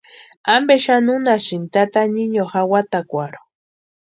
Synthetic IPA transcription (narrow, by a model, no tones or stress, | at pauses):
ambeʃanunaʃimt̪at̪aɲiɲoxawat̪akʷaɾo̥